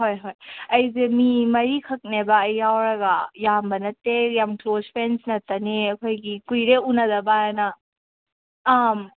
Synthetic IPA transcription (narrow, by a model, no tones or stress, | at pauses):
hojɦojɐjzemimɐɾikʰɐk̚nebɐːjːawɾɐɡɐjambɐnɐtːejamklozpʰɾensnɐtːɐneɐkʰojɡikujɾeunɐdɐbajanɐ | m